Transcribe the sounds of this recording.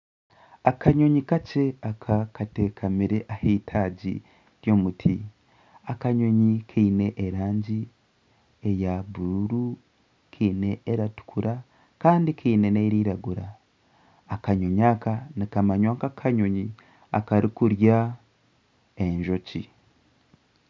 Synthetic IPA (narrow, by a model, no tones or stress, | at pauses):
akaɲo̞ɲikat͡ʃeakʰakatekʰamiɾeʔaheitʰaːɟḭ | ɾjo̞ːmutʰḭ | akaɲo̞ɲikʰiine̞ʔeɾaːɲɟi | ejaβuɾu | kʰiːne̞ʔeɾatu̥kʰuɾʔa | kaːndikʰiːneneɾiːɾaɡuɾaː | kaɲoɲakanikamaɲwaːŋkakʰaɲo̞ɲi | akaɾikuɾja | eɲʒo̞cḭ